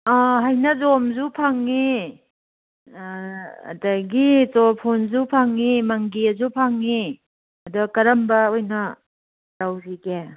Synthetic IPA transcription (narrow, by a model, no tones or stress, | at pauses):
aɦajnɐzomzupʰaŋːi | ɐ̰dɐɡit͡ʃopʰunzupʰaŋːimɐŋɡiɐzupʰaŋːi | ɐdukɐɾɐmbɐojnɐ | tawzike